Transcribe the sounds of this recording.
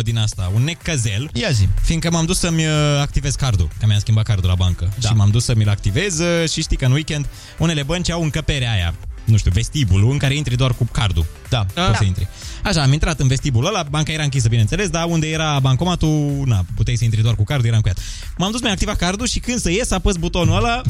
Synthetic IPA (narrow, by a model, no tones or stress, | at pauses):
d̪inast̪aunːe̞kəze̞ljaʒifiŋkəmamd̪usəmʲəak̚t̪ive̞zkard̪ṵkəmjaskʲimbat̪kard̪ula̰baŋkəʃimamd̪usəmʲilak̚t̪ive̞zʃiʃt̪ikəɨnwikʲe̞nd̪ | une̞le̞bənt͡ʃiawɨŋkəpe̞ɾeaja̰nuʃt̪iuve̞st̪ibuluɨŋkaɾe̞int̪ɾid̪oarkukard̪ṵ | d̪asəint̪ɾḭaʃaːmint̪ɾat̪ɨnve̞st̪ibuləlabaŋkaje̞ɾaɨŋk̬ʲis̬əbinensele̞s̬d̪aund̪e̞je̞ɾabaŋko̞mat̪unaput̪ejsəint̪ɾid̪oarkukaɾrd̪ujeaɨŋkuja̰t̪ | mamd̪us̬mjʲakt̪ivakard̪uʃikɨnd̪səjesapəsbut̪o̞nuəla